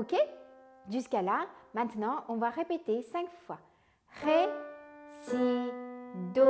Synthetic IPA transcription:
okʲeʒyskalamɛ̃t̪nɑ̃ʔɔ̃vaʁepet̪esɛ̃kfwa | ʁe | si | d̪o

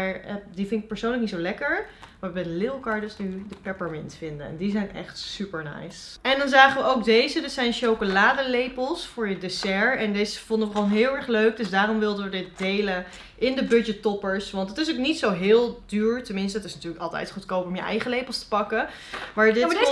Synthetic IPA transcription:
aɹdifɪntɪk̚pəɹsownləknitsowlɛkəɹʋaːɹʋəbɛjdəlɪlˠkɑːɹdəsnydəpɛpəɹmɪnsfɪndə̰ɛ̰ndizɛjnɛ̰χtsypəɹnɛ̰jsɛndɑnzaːχəʋəowk̚dejzədɑtsɛjnʃowkolaːdəlejpəlˠsfʊːɹjədesɛɹɛndejzəv̥ɔndəʋəɔlˠɦɪːlˠɛɹχløɥk̚dɵsdaːɾɔmʋɪlˠdəʋədɪt̚dejlə | ʔɪndəbɵd͡ʒətɔpəɹsʋɑntətɪs̬oknitsowɦɪːlˠdyːɹtəmɪnstəːtɪsnatyːɹləkɑlˠtɛ̰jtχutkowpɔmjə̰ʔɛ̰jχəlejpəlˠstə̥pɑkə | ʋaːɹdɪ

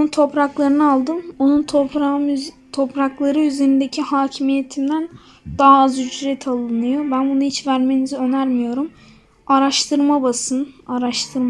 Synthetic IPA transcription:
onunt̪ʰo̞pɾaklˠaɾɯnɯalˠd̪ɯmo̞nunʰam | t̪ʰo̞pɾaklˠaɾɯyze̞ɾind̪ecʰihaːcʰimije̞t̪ʰimd̪æn | d̪̥aːazysɾɛt̪ʰalˠɯnɯjo̞bænbunuhit͡ʃvæɾme̞niziø̞næɾmijo̞ɾum | aɾaʃt̪ʰɯɾmabasɯnaɾaʃt̪ʰɯɾma

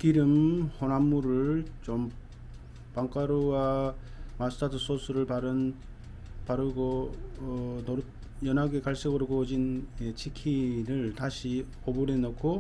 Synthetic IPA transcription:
kiɾɯmhonamːuɾɯɭt͡ɕom | paŋk͈ʰaɾowa | mastʰatʰɯs͈ʰosʰuɾɯɭpaɾɯn | paɾɯɡo | no | jʌnaɡekaɭs͈ʌɡɯɾɡod͡ʑinet͡ɕʰikʰiɾɯɭtaɕʰi | obuɾenʌkʰo

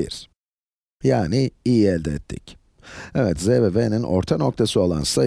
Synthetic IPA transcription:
ḭɾ̥ | jaːnɪijiɛlʲd̪ɛːt̪ʰːḭc | ɛvɛt̪zɛvɛvɛninʔo̞̰ɾt̪ʰano̞k̚t̪ʰasɯo̞lˠa̰nsa

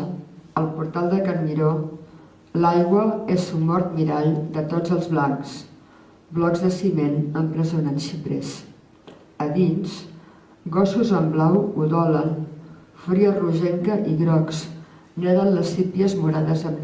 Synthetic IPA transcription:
əlˠpuɾt̪alˠd̪əkənmiɾo | lajɣwəezumːɔɾt̪miɾaʎd̪ət̪od͡zəlˠzβlaŋks | blɔɡzðəsimenəmpɾəzunanʃipɾḛs | əðins | ɡɔsuzəmblawuðɔləlfɾiəruʒɛŋkəʔiɣɾɔks | nɛðənləsipiəzmuɾaðəzəm

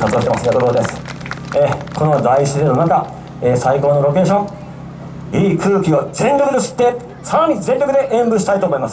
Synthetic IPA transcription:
kat͡sɨoɕi̥temasɨɡakoɾoːd̪esɨ̥eːkʰo̞no̞d̪aiɕizeno̞naka | eːsaiko̞ːno̞ɾo̞ke̞ːɕõŋ | iːkʰɯ̟ːkʲio̞d͡zẽ̞ɲɾʲo̞kɯd̪eɕi̥t̪ːe̞ | saɾaɲ̟izẽɲʲɾʲo̞kɯ̟d̪e̞ʔẽ̞mbɯ̟ɕi̥t̪ait̪oːmo̞imasɨ̥

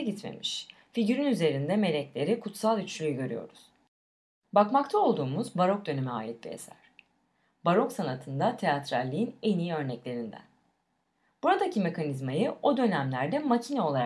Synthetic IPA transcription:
it̪mḛmiʃ | fiɟyɾynyze̞ɾind̪ɛme̞lʲɛclʲe̞ɾikʰut̪salˠyt͡ʃlʲyjyɟø̞ɾyjo̞̰ɾuz̥ | bakmakt̪ʰao̞lˠd̪uːmuzbaɾo̞k̚d̪ø̞nemya̰ːjɛt̪̚biḛsæ̰ɾ̥ | baɾo̞ksanat̪ʰɯnd̪at̪ʰe̞at̪ɾalʲːiinenijiø̞ɾnɛclʲe̞ɾind̪æ̰n | b̥uɾad̪acime̞kʰanizmajɯo̞d̪ø̞næmlʲæɾd̪ɛmacʰinɛo̞lˠaɾa

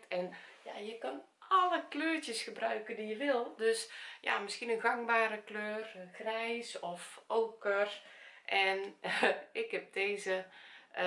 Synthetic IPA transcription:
tɛnja̰jəkɔn | aləkløːɹtjəsxəbrœɥkəndijəʋɪlˠdøsja̰mɪskiənəɣaŋbaːɾəkløːrɣrɛjsɔfʔoːkərʔɛn | ɪkhɛp̚deːzə

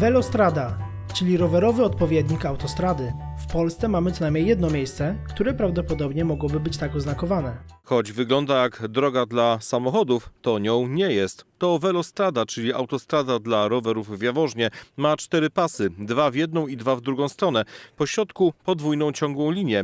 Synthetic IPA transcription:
vɛlɔst̪ɾad̪a | t͡ʂɘlʲiɾɔvɛɾɔvɘɔt̪̚pɔvʲjɛd̪ɲikawt̪ɔst̪ɾad̪ɘfpɔlst̪sɛmamɘt̪ɔnajmɲejɛd̪nɔmʲjejst̪sɛkt̪uɾɛpɾavd̪ɔpɔd̪ɔbɲɛmɔɡwɔbɘbɘt͡ɕt̪akɔznakɔvanɛxɔd͡ʑvɘɡlɔnd̪ajaɡd̪ɾɔɡad̪lasamɔxɔd̪uft̪ɔɲɔ̃w̃ɲɛjɛst̪ːɔvɛlɔst̪ɾad̪at͡ʂɘlʲiʔa̰wt̪ɔst̪ɾad̪ad̪laɾɔvɛɾuvːʲjavɔʐɲɛmat͡ʂt̪ɛɾɘpasɘd̪vavʲjɛd̪nɔ̃w̃id̪vavd̪ɾuɡɔ̃w̃st̪ɾɔnɛpɔɕɾɔt̪kupɔd̪vujnɔ̃w̃t͡ɕɔ̃ŋɡwɔ̃w̃lʲiɲjɛ

